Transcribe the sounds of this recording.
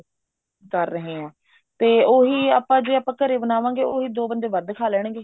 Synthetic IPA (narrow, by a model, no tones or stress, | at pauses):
kəɾːəɦẽːɛ̃ː | t̪eːoːɦiːaːpãːd͡ʒeːaːpə̃ːkːəɾeːbənaːʋãːŋɡeːoːɦiːd̪oːbənd͡ʒ̪eːʋəd̪kʰaːlɛːɳ̃ɡeː